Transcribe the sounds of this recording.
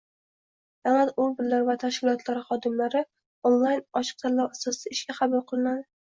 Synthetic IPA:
d̪alat̪obɪɾlaɾvat̪ʰaʃkʲɪlˠɒt̪ʰlaɾɪχɒd̪ɪmlaɾɪ | onlˠajnɒʃɨ̥q̚t̪ʰalːawasɒsɪɪʃkʲaχɑbʊlˠqʰɨlˠɪnad̪ɪ

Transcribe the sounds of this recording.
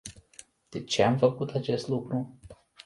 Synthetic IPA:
d̪̥e̞t͡ʃeamfəkut̪at͡ʃe̞st̪lukɾu

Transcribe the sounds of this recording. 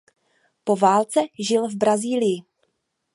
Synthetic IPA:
po̞vaːlt͡sɛʒɪlvbɾaziːlɪjɪ

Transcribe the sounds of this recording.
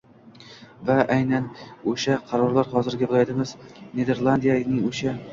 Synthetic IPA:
vaʔajnanɵʃaqʰɑɾɒɾlˠaɾχɒzɪɾɡʲabʊlˠajd̪ɪmɪz̥ne̞d̪e̞ɾlˠand̪ijanɪŋɵʃa

